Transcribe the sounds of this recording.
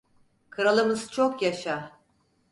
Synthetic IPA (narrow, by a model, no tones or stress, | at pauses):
kʰɯɾalˠɯmɯzt͡ʃʰo̞kjaʃa